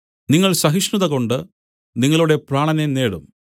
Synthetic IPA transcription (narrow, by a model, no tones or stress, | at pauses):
niŋːɐɭsɐɦiʂnuðɐɣo̞ɳɖɨ | niŋːɐɭuɽe̞praːɳɐnene̞ːɽum